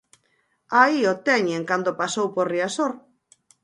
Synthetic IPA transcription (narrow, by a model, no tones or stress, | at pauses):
aiot̪ɛɲeŋkand̪opasowpoɾriasoɾ